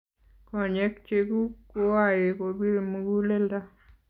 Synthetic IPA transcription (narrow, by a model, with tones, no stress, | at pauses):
kɔ˨ɲɛ˦kt͡ʃe˦ɡu˦ko˦wa˦˨jɪ˨ko˨bi˦ɾmu˦ɡu˦le˦lda˦